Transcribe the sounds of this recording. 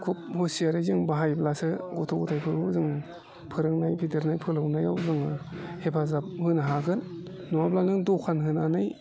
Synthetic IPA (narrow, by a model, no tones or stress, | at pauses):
kʰup̚hosiaɾɯjzɯŋbaɦajblasɯɡotʰoɡɔtʰajpʰɯɾɯzɯŋ | pʰɯɾɯŋnajpʰidɯɾnajpʰɯlawnajawzɯŋhepʰazap̚hɯnaɦaɡɯnː | ɔablanɯŋdokʰanɦɯnanɯj